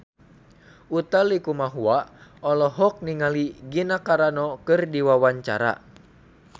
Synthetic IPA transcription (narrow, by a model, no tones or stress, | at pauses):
ut̪alikumaɦuaɔlɔɦɔk̚niŋaliɡinakaɾanɔkɨrdiwawaɲt͡ʃa̰ɾa̰